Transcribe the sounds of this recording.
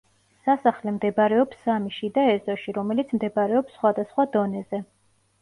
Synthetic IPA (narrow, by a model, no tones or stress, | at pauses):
sasaχlɛmd̪ɛbaɾɛɔpsːamiʃid̪aɛzɔʃiɾɔmɛlit̪sʰmd̪ɛbaɾɛɔpsːχwad̪asχwad̪ɔnɛzɛ